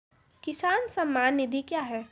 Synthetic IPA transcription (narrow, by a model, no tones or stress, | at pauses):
kɪsaːnsɐmːaːnːɪd̪ʱikjaːɦɛː